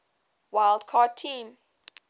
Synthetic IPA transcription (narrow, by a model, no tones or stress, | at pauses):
wajldkʰɔtʰĩm